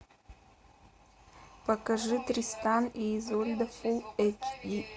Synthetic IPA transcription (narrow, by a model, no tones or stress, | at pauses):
pɐkɐʐɨt̪ɾʲist̪aniːzolʲd̪ɐfulˠɛkʲi